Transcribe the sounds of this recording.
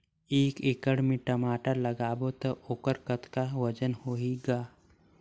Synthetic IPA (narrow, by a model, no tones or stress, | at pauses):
eːkekəɽmẽʈɐmaːʈaləɡaːbot̪ɐoːkəɾkət̪kaʋəd͡ʒənhoːiɡaː